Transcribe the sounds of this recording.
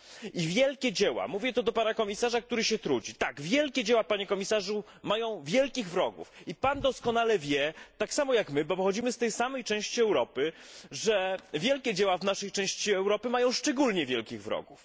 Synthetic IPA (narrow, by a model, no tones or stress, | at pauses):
ivʲjɛlkʲɛd͡ʑɛwa̰muvʲjɛt̪ɔd̪ɔpanakɔmʲisaʐak̚t̪uɾɘɕɛt̪ɾud͡ʑit̪aɡvʲjɛlkʲɛd͡ʑɛwapaɲɛkɔmʲisaʐu | majɔ̃w̃vʲjɛlkʲiɣvɾɔɡṵfipand̪ɔskɔnalɛvʲjɛt̪aksamɔjakmɘbɔpɔxɔd͡ʑimɘst̪ɛjsamɛjt͡ʂɛ̃w̃ɕt͡ɕiɛwɾɔpɘʐɛvʲjɛlkʲɛd͡ʑɛwavnaʂɛjt͡ʂɛ̃w̃ɕt͡ɕiɛwɾɔpɘmajɔ̃w̃ʂt͡ʂɛɡulɲɛvʲjɛlkʲiɣvɾɔ̰ɡuf